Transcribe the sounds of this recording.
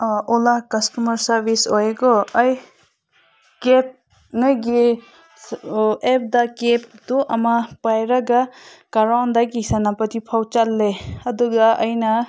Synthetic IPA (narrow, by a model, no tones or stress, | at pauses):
ɔlakɐstumɐɾsɐɾbisojeɡɔːj | kep̚ | nɯɡe | ep̚d̪akep̚d̪uʔɐmapajɾaɡakaɾawnd̪aɡisanapɐt̪ipʰawt͡ʃalːeɐd̪uɡaʌjna